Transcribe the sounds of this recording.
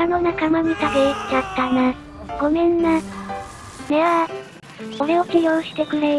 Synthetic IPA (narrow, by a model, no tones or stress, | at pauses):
anonakamaɲ̟it̪abet͡ɕat̪ːana | ɡ̥o̞mẽnːa | meβa | oɾe̞okʲijõɕi̥t̪e̞kɯ̟ɾe